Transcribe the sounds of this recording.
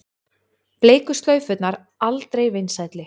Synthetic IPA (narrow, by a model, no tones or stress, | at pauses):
pleːjkʏst̪lœːɥfʏt̪naɾ | alt̪ɾejvɪjnsajt̪lɪ